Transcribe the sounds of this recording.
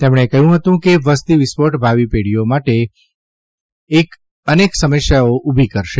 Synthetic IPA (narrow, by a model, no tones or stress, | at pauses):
t̪emɽ̃ekəɦũɦət̪ũkeʋəst̪iʋɪspoʈbʱaʋipeɽijomaʈe | k | əneksəməʃjaoʔubʱikəɾʃe